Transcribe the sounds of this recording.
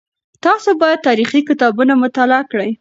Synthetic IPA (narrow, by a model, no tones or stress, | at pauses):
t̪ɑsobɑjad̪̚t̪ɑɾixikɪt̪ɑbunamʊt̪alɪakɽəj